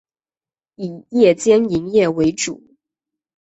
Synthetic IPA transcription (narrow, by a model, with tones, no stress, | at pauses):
i˨˩jɛ˥˩t͡ɕjɛ˥ni˧˥ŋjɛ˥˩we˧˥ɪʈ͡ʂṵ˨˩˦